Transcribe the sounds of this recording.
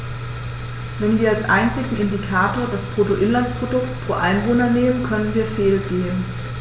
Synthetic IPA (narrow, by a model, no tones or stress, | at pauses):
vɛnviːɐalsʔa̰ɪnt͡sɪɡŋ̩ɪndikʰaːtoːɐdaspʁ̥otoʔɪnlanspʁ̥odʊktpʁ̥o̰ːʔaɪnvoːnɐneːmənkʰœnənviːɐfeːlɡeːn